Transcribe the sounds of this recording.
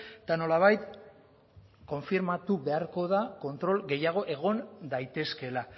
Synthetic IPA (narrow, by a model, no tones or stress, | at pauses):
t̪ano̞laβ̞ajt̪ | ko̞ɱfiɾmat̪uβe̞aɾko̞ð̞ako̞nt̪ɾo̞lɡe̞jaɣ̞o̞ʔe̞ɣo̞nd̪ajt̪e̞ske̞la